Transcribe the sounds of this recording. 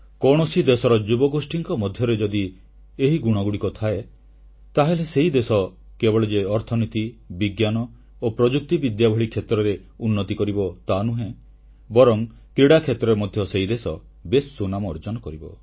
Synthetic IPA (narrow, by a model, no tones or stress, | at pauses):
kɔɽ̃ɔsid̪esɔɾɔd͡ʒubɔɡosʈiŋkɔmɔd̪ʱjɔɾed͡ʒɔd̪i | eɦiɡuɽ̃ɔɡuɽikɔt̪ʰae | t̪aɦeleseɦid̪esɔ | kebɔɭed͡ʒeɔɾt̪ʰɔnit̪ibiɡjanɔ | opɾɔd͡ʒuk̚t̪ibid̪jabʱɔɭikʰjet̪ɾɔɾe | unːɔt̪ikɔɾibɔt̪anuɦẽ | bɔɾɔŋ | kɾiɽakʰet̪ɾɔɾemɔd̪ʱjɔseid̪esɔ | besːunamɔːɾd͡ʒɔnɔkɔɾibɔ̰